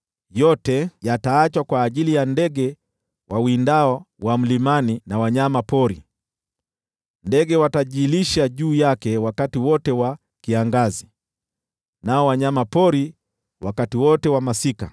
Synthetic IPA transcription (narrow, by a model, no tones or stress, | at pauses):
jɔtɛjataːt͡ʃwakwaːʄilijandɛɡɛ | wʔawindaɔ | wam̩limaninawaɲamapɔɾḭ | ndɛɡɛwataʄiliʃaʄuːjakɛwakatiwɔtɛwa | kiaŋɡazi | naɔwaɲamapɔɾi | wakatiwɔtɛwamasika̰